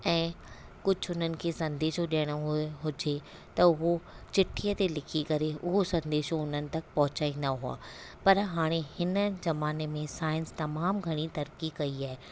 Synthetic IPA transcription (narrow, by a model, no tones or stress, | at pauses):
ɛ̃ː | kʊd͡ʑʱʊʊn̤ənɪ̆kʰeːsɐ̃nd̪eːʃoɗiəɽ̃oɦɦʊd͡ʑe | t̪ɐʊɦo | t͡ɕɪʈʰijət̪elɪkʰikɐɾeʔʊɦosɐ̃nd̪eːʃoʊn̤ənɪ̆t̪ɐkpɐɦʊt͡ɕaːĩnd̪aɦua̰ː | pɐɾɦaːɽ̃ehɪnə̆zɐmaːnemẽsaːɪ̃nst̪ɐmaːmɡʱɐɽ̃it̪ɐɾkikɐiaːɦe